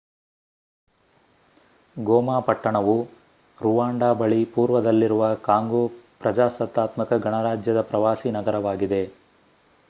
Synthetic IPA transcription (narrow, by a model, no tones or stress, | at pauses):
ɡɔːmaːpɐʈːɐɳɐʋu | ɾuʋaːɳɖaːbɐɭipuːɾʋɐd̪ɐlːiɾuʋɐkaːŋɡoːpɾɐd͡ʒaːsɐt̪ːaːt̪mɐkɐɡɐɳɐɾaːd͡ʒjɐd̪ɐpɾɐʋaːsinɐɡɐɾɐʋaːɡid̪e̞